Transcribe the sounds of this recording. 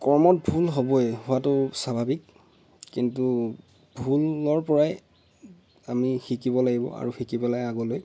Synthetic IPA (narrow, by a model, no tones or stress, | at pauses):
kɔɹmɔt̚bʱulɦobɔɛhʊwatʊsabʱabikː | intu | bʱulɔɹpɔɹaj | amixikibɔlaɡibɔ̰ʔa̰ɹuxikibɔlajaɡɔloj